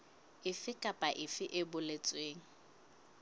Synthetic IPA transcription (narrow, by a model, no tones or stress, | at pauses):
ɪfɪkʼapʼaʔɪfɪʔɪbʊlet͡sʼweːŋ̩